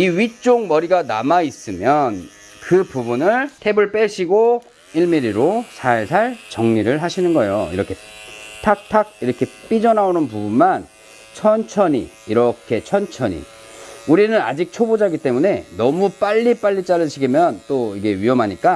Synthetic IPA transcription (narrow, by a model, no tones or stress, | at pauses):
iɥit͡ɕ͈oŋmʌɾiɡanamais͈ɯmjʌn | kɯpubunɯɭtʰe̞bɯɭp͈eɕʰiɡo | iɭmiɾiɾosʰaɭsʰaɭt͡ɕʌŋɲiɾɯɭɦaɕʰinɯnɡʌejo̰ḭɾʌkʰe̞tʰak̚tʰaɡ̚iɾʌkʰe̞p͈id͡ʑʌnaonɯnpubunman | t͡ɕʰʌnt͡ɕʰʌɲḭːɾʌkʰe̞t͡ɕʰʌnt͡ɕʰʌɲḭ | uɾinɯnad͡ʑik̚t͡ɕʰobod͡ʑaɡit͈e̞mune̞nʌmup͈aʎːip͈aʎːit͡ɕ͈aɾɯɕʰiɡimjʌnt͈oiɡe̞ɥiʌmɦaɲik͈a